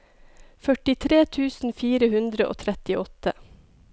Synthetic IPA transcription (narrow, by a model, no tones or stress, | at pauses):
fœʈɪt̪ʰɾeːt̪ʰʉːsn̩fiːɾəhʉnd̪ɾəʔo̰ːt̪ʰɾɛt̪ɪʔɔt̪ə̰